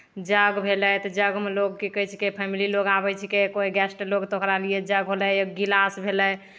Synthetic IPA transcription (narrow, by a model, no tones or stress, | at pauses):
d͡ʒəɡbʱelɛt̪ɔd͡ʒəɡmeloɡkikət͡ʃʰi̥kepʰɛmililoɡabɛt͡ʃʰikekoɦiɡɛsʈloɡt̪okɾalijed͡ʒəɡɦolɛɡilasbʱelɛj